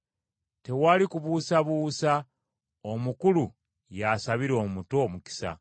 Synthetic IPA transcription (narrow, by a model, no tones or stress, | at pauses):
te̞waːlikuβuːsaβuːsa | omukulu | jasaβiɾo̞ːmuto̞ːmuki̥sa̰